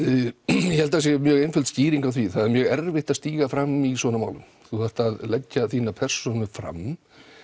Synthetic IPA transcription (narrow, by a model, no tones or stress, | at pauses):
jɛhɛlt̪as̬jɛmjœːɣejnfʏlt̪sciːɾiŋkawθviθaðɪɾmjœːɣɛɾvɪht̪aðst̪iːɣafɾamːisvɔːnama̰ːwlʏ̰m | θuθaht̪aðlɛcːaθiːnapʰɛr̥sɔnʏfɾa̰m